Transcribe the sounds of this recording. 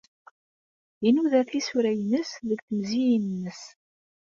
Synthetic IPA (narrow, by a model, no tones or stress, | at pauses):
inuðæɾθlisuɾæjənəsðəɡθəmzijnnːəs